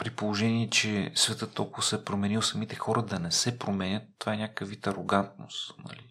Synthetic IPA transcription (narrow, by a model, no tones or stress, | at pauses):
pɾipolˠoʒɛniɛt͡ʃɛsvɛt̪ɤt̪ːɔlˠkʊvɐsɛpɾomɛnilˠsɐmit̪ɛxɔɾʔɐd̪ɐnɛsɛpɾomɛnʲət̪ːovaɛnʲakəvit̪ɐɾoɡant̪̚no̰st̪nɐ̰li